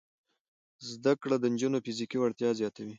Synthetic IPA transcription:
zd̪akɽad̪ənd͡ʒunofɪzikiwaɽt̪jɑzjɑt̪awi

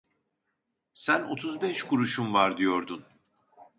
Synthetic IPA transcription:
sæno̞̰t̪ʰuzbɛʃkʰuɾuʃumvaɾd̪ijo̞ɾd̪un

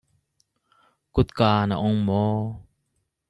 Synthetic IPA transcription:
kʊt̪̚kaːna̰ʔʊŋmɔː

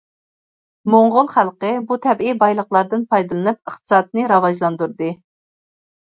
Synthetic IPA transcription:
moɴʁʊlˠχælˠqəbut̪ʰɛbibɑjlˠəχlˠɑɾd̪ɨnpʰɑjd̪ɨlˠɨnɨp̚əχt̪ɨ̥sɑːt̪̚nɨɾɑvɑʒlˠɑnd̪uɾd̪ɨ

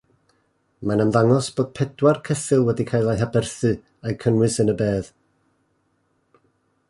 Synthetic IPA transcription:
manəmðaŋɔsb̥oːd̥̚pʰɛdwarkʰɛsɨlˠwɛdikʰajlˠajɦabɛrθɨ | ajkʰənwɨsənəbeːð

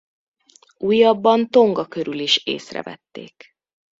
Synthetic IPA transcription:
uːjːɒbːɒnt̪o̞ŋɡɒkøɾyliʃḛːsrɛ̰vɛ̰t̪ːḛːk

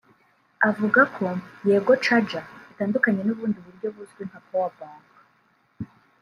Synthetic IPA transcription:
avuɡakʰo̞je̞ːɡo̞t͡ʃad͡ʒaitaːndukaɲe̞nuβuːndiβuɾɟo̞βuzɡwen̥hakowabaːŋɡa

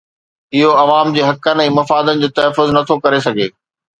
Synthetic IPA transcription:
ɪɦoɐʋaːmd͡ʑeːɦɐkənɪ̆ɛ̃ːmɐfaːd̪ənɪ̆d͡ʑoːt̪ɐɦəfːʊznɐt̪ʰokɐɾesɐɡʱeː

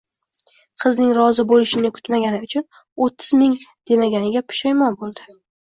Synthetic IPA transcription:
qʰɨznɪŋɾɒzɪbolɪʃɪnɪkʰʊ̥t̪maɡʲanɪʊt͡ʃʰʊn | ot̪ʰːɪzmɪŋd̪̥e̞maɡʲanɪɡʲapʰʊ̥ʃɒjmɒnbolˠd̪ɪ

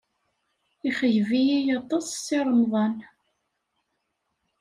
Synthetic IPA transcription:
iχəʝvijijɑt̪ˤɑssɪɾˤəmðˤɑn

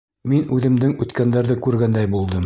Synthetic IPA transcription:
minʉðɘ̆md̪ɘŋʉt̪kænd̪æɾðɘkʉɾɡænd̪æjbulˠd̪ɤm

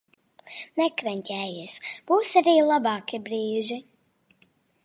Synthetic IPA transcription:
nɛkɾɛnʲt̪ʲɛːjiɛsb̥uːsaɾiːlˠabɑːkibɾiːʒi

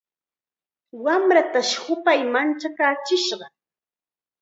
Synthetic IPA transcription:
wamɾat̪aʃhʊpajmant͡ʃakaːt͡ʃɪʃɢɑ

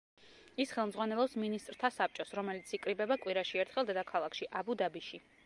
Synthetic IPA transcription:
isχɛlˠmd̪zʁwanɛlˠɔpsminist̪ʼɾt̪ʰasap̚ʰt͡ʃʼɔsɾɔmɛlit̪sʰikʼɾibɛbakʼwiɾaʃiɛɾt̪ʰχɛlˠd̪ɛd̪akʰalˠakʰʃiʔabud̪abiʃi

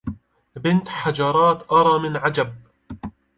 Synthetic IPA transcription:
bɪnt̪ħad͡ʒɑɾˤɑːt̪ʔɑɾˤɑːmɪnʕad͡ʒab̚

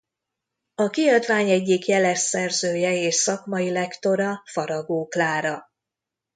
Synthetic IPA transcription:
ɒkiɒd̪vaːɲɛɟːikjɛlɛsːɛrzøːjɛeːʃsɒkmɒjilɛkt̪o̞ɾɒfɒɾɒɡoːklaːɾɒ

